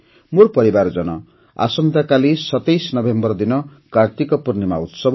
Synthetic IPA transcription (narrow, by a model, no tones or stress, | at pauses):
murpʌɾibard͡zʌnʌ̰ | a̰sʌmd̪akalisʌt̪ejsnʌbʱembʌrd̪inʌkart̪ikʌpurnima̰ut̪sʌb